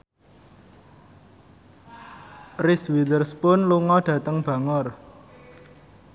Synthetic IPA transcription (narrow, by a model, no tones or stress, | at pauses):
rɪswidərspʊnluŋɔɖ̥ä̤t̪əŋb̥a̤ŋɔr